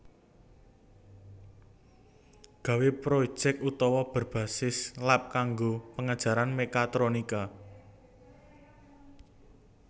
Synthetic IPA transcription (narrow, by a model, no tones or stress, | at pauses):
ɡ̥ä̤wepɾo̥d͡ʒ̥ɛkut̪ɔwɔb̥ə̤rb̥a̤sɪslap̚kaŋɡopəŋad̥ʒ̥ä̤ɾanmekat̪ɾonika